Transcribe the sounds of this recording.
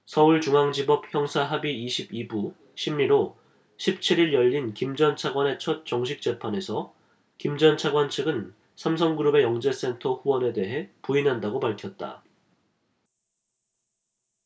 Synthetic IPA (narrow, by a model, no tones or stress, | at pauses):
sʰʌuɭt͡ɕuŋaŋd͡ʑibʌp̚çjʌŋsʰaɦabiːɕʰibibu | ɕʰimːiɾo | ɕʰip̚t͡ɕʰiɾiɭjʌʎːinkimd͡ʑʌnt͡ɕʰaɡwane̞t͡ɕʰʌt̚t͡ɕ͈ʌŋɕʰik̚t͡ɕ͈e̞pʰane̞sʰʌ | kimd͡ʑʌnt͡ɕʰaɡwant͡ɕʰɯɡɯn | sʰams̬ʰʌŋɡɯɾube̞jʌŋd͡ʑe̞s͈e̞ntʰʌɸuwʌne̞de̞ɦe̞puinɦandaɡopaɭkʰjʌt̚t͈a̰